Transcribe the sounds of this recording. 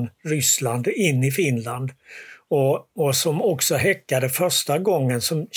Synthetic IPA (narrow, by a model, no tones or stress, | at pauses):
nɾʏsland̪ɪnːɪfɪnland̪ɔɔsɔmɔksɔɦɛkːad̪əfœʂʈaɡɔŋːənsɔm